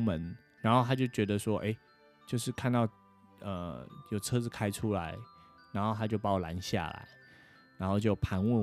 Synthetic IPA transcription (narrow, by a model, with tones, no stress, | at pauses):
mə˧˦n | ɻa˧˥nxo˥˧ʊt̪ʰa˥t͡ɕjo˥˩ʊt͡ɕɥɛ˧˥d̪ə˨swɔ˦˥ʔe˥˩ɪ | t͡ɕjo˥˧ʊʂɻ̩˥˨kʰa˥˧nt̪ɑ˥˨ʊ | ə̰˨˩jo˨˩ʊt͡sʰɤ˥t͡sɹ̩˨˩kʰa˥ɪʈ͡ʂʰu˦la˧˦ɪ | ɻa˧˥nxo˥˩t̪ʰa˥t͡ɕjo˥˩ʊpa˧˥wla̰˧˥nɕja̰˥˩la̰˧˦ɪ | ɻa˧˥nxo˥˧ʊt͡ɕjo˥˩ʊpʰa˧˥nwə˥˩n